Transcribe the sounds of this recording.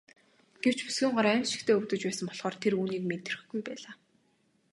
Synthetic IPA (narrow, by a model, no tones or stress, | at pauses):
ɡ̥ew̥t͡ɕpu̥sɡiːɴɢɔɾæːmʃɪ̥̆kt̪ʰeːɵwt̪ɵ̆t͡ɕpæːsə̆mpɔɮχɔːrt̪ʰeɾuːniːkment̪ʰːerɘ̆xɡujpæːɮaː